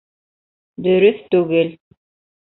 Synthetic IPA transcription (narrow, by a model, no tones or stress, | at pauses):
d̪ɵ̆ɾɵθt̪ʉɡɘl